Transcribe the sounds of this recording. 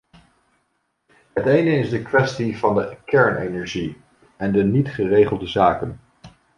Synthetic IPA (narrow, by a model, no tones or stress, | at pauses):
ɦətejnəɪzdəkʋɛstivɑndəkɛɹnḛnɛɹʒi | ɛndənitχərejχəlˠdəzaːkən